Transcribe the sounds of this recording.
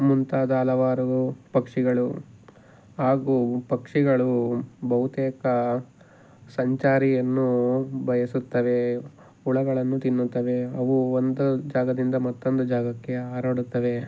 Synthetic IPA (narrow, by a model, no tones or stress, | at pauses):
munt̪aːd̪aːlɐʋaːɾupɐkʂiɡɐɭu | ɦaːɡuːpɐkʂiɡɐɭubɐɦut̪eːkɐ | sɐɲt͡ʃaːɾijɐnːubʱɐjɐsut̪ːɐʋe̞ | uɭɐɡɐɭɐnːut̪inːut̪ːɐʋe̞ɐʋuond̪ud͡ʒaːɡɐd̪ind̪ɐmɐt̪ːo̞nd̪ud͡ʒaːɡɐkːe̞aːɾoːɽut̪ːɐʋe̞